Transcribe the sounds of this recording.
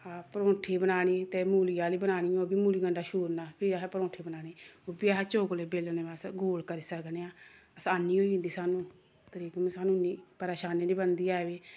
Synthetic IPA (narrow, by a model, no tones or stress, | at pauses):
aːpəɾõːʈʰeːbənaːɽiːt̪eːmuːlɪijaːliːbənaːɽ̃ɪjõːbiːmuːliːɡəɳɖaːʃuːɾnaːpʰɪaɦpəɾõːʈʰeːbənaːniːoːbiːaɦɛt͡ʃoːkleːbeːlneːasɡoːlkəɾiːsəkneːãːəsaːniːoːiʊ̃ːnd̪iːsaːnũː | t̪əɾiːkːmẽsaːnũːniːpəɾeːʃaːneːliːbənd̪iːaːʋeː